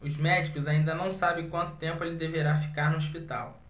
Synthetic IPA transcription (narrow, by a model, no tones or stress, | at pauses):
ʊzmɛd͡ʒikʊzaĩnd̪ɐnɐ̃w̃sabẽj̃kwɐ̃nt̪ʊ̥t̪ẽmpʊelɪd̪eveɾafi̥kaɾnʊoʃpit̪a̰w